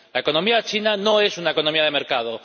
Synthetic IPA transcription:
laeko̞nõmiat͡ʃinanoe̞sunaeko̞nomiað̞emeɾkað̞o

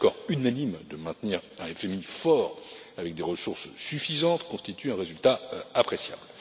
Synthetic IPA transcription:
kɔʁynanimd̪əmɛ̃t̪niʁɛ̃ɛfɛmifɔʁavɛk̚d̪eʁəsuʁssyfizɑ̃t̪kɔ̃st̪it̪yɛ̃ʁezylt̪aapχesja̰bl

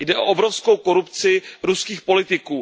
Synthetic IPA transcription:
jdɛʔo̰ʔobɾofskowko̞ɾupt͡sɪɾuskiːxpo̞lɪt̪ɪkuː

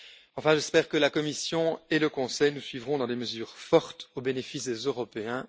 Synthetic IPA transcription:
ɑ̃fɛ̃ʒɛspɛːʁkəlakɔmisjɔ̃eləkɔ̃sɛjnusɥivʁɔ̃d̪ɑ̃d̪eməzyːʁfɔʁt̪obenefisd̪ezøʁɔpeɛ̃

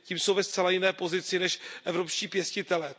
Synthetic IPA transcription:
ciːmso̞wvɛst̪t͡sɛlajɪnɛːpo̞zɪt͡sɪnɛʃʔɛvɾo̞pʃciːpjɛscɪt̪ɛlɛː

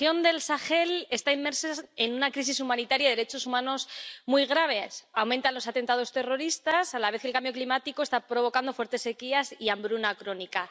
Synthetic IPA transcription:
jo̞nd̪e̞lsaxe̞le̞st̪aimːe̞ɾsaenunakɾis̬is̬umãnit̪aɾjaðɾet͡ʃo̞sumãno̞smujɣ̞ɾaβ̞e̞sawment̪anlo̞sat̪ent̪að̞o̞st̪e̞ro̞ɾist̪asalaβe̞θkelkambjo̞klimat̪iko̞e̞st̪apɾo̞β̞o̞kand̪o̞fweɾt̪e̞sːe̞kiasiambɾunakɾo̞nika

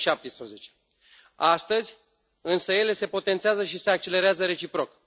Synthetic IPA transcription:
ʃap̚t̪ispɾəze̞t͡ʃe̥ | ast̪əzʲ | ɨnsəje̞le̞se̞po̞t̪e̞nt̪seazəʃise̞ak̚t͡ʃe̞le̞ɾeazəɾe̞t͡ʃipɾo̞k

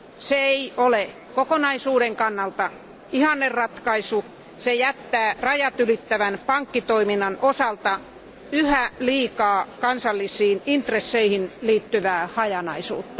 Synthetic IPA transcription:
seeiole | kokonɑisuːɾeŋkɑnːɑlt̪ɑ | ihɑnːerrɑt̪kɑisu | sejæt̪ːæːrɑjɑt̪ylit̪ːæʋænpɑŋkːit̪oiminːɑnosɑlt̪ɑ | yhæliːkɑːkɑnsɑlːisiːnint̪resːeihinliːt̪ːyʋæːhɑjɑnɑisṵːt̪ːɑ

